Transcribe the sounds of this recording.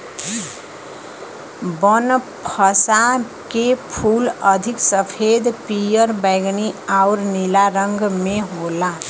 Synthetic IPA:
bʌnpʰʌsa | kepʰulʌd̪ʱiksʌpʰed̪pijʌɾbajɡniawɾnilaɾʌŋɡmeɦola

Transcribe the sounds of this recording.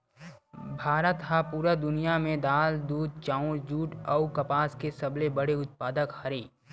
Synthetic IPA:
bʱaːɾət̪ɦapuːɾad̪ʊnijamẽd̪aːld̪uːd̪̚t͡ʃãːʊ̃ɾd͡ʒuːʈɔʊkɐpaːskesɐblebəɽeʊt̪̚paːd̪əkhɐɾeː

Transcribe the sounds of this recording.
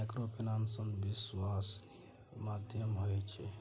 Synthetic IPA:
akɾopinamsənbiswasnij | mad̪ʱjəmɦojt͡ʃʰe

